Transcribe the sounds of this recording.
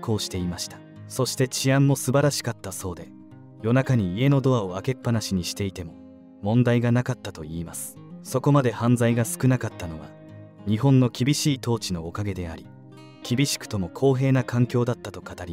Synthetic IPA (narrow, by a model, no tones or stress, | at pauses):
ko̞ːɕi̥t̪e̞imaɕi̥t̪ḁ | so̞ɕi̥t̪e̞t͡ɕiãmːo̞sɨbaɾaɕi̥kat̪ːaso̞ːd̪e̞ | jo̞nakaɲ̟iːe̞no̞d̪o̞ao̞ake̞pːanaɕiɲ̟iɕi̥t̪e̞it̪e̞mo̞ | mõ̞nd̪aiɡanakat̪ːat̪o̞iːmasɨ̥ | so̞ko̞mad̪e̞hãnzaiɡasɨ̥kɯ̟nakat̪ːano̞βa̰ | ɲ̟iɦõ̞nːo̞kʲibʲiɕiːt̪o̞ːt͡ɕino̞ːkaɡe̞d̪e̞a̰ɾʲi | kʲibʲiɕi̥kɯ̥t̪o̞mo̞kʰo̞ːɦe̞ːnakãŋkʲo̞ːd̪at̪ːat̪o̞kat̪aɾʲi